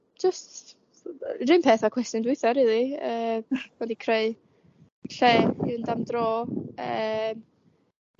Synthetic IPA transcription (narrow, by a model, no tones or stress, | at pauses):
d͡ʒəst | rɨmpʰeːθakʰw̥ɛstjʊndwɪɨθɔɾiðˠiəːvɛdikʰreɨ | ɬeːiðndamdroːəm